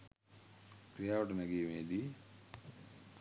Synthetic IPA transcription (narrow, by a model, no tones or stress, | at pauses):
kɾijaːʋəʈənaɡeːmeːd̪i